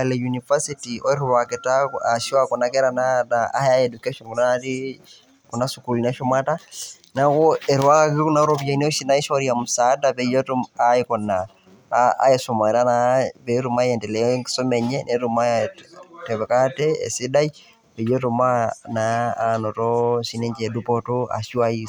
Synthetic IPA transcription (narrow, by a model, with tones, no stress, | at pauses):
lɛ˨juniva˦sitiɔ˦ɛ˦ɾwakɛ˨taa˨ʃwa˦kɔ˨nakɛ˦ɾanataa̰˦ha˦ɛdukɛ˦ʃɔnkɔ˨na˦ɾi | kɔ˨na˦suku˨lina˦ʃɔ˦ma˦ta | nakɔɛ˨ɾwa˦kaki˦ku˦na˦ɾɔbja˨in˦ɔ˦ʃi˦na˦i˦ʃɔɾiamusa˨˦dapɛ˨jɔ˦tɔaikɔ˨na | a̰˨˦jɛ˨sɔ˨ma˨ɾa˦napɛ˦ɾu˨ma˦jɛ˨ntɛ˨lɛ˦ŋsɔ˦mɛ˨ɲɛnʔɛ˨ɾuma˦ | tɛ˨βɛ˨ka˦tɛ˦ɛ̰˨si˦da˦j | pɛ˨jɔ˦tɔma˦naːnɔ˨tɔʃi˦nɛ˦ɲd͡ʒɛ˨du˦pɔtɔa̰˨ʃi˦wa˦i